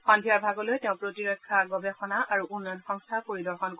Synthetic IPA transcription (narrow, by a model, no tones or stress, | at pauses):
xɔndʱijaɹbʱaɡɔlojteʊ̃pɹotiɹɔkʰːaɡɔbexɔnaʔaɹuʔunːɔnxɔŋstʰakoɹidɔɹxɔnk